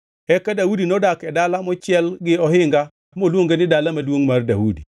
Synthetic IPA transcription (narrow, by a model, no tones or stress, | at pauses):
ɛkadaudinɔdakɛdalamɔt͡ʃɪɛlɡɪɔɦɪŋɡa | molwoŋɡenɪdalamadwoŋmarda̰udi